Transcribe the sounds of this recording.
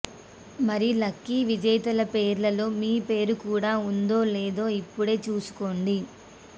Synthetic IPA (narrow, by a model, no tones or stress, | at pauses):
mɐɾilɐkːiʋid͡ʒɐjt̪ɐlɐpeːɾlɐlo̞ːmiːpe̞ːɾukuːɽaːund̪o̞ːleːd̪o̞ːipːuɽe̞ːt͡ʃuːsu̥ko̞ːɳɖi